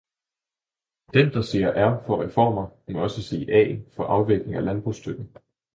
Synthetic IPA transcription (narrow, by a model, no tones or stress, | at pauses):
d̥end̥ɑ̈se̝̰ːɐʔæɐfɒ̽ʁɛfɒ̰ːmɐmɒ̽səse̝̰ːʔɛ̰ːnfɒ̽ʔɑ̈ʊʋeɡ̥le̝ŋælænb̥ʁuːsd̥øɡ̥n̩